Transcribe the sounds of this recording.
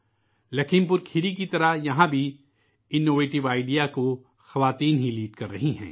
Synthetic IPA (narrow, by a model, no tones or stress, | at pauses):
lɐkʰɪmp̬ʊɾkʰɪɾik̬it̪ɐɾajɐɦãbʱi | ɪnːoːʋeːʈɪʋaːɪɖijako | xɐʋaːt̪iːnɦiliːʈkɐɾːɐɦiɦɛ̰̃ː